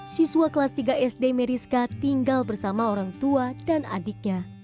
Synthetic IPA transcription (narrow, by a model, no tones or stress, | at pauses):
sisuakəlast̪iɡaʔɛsdemeɾiskat̪iŋɡalbərsamaoɾaŋt̪uadana̰dik̚ɲa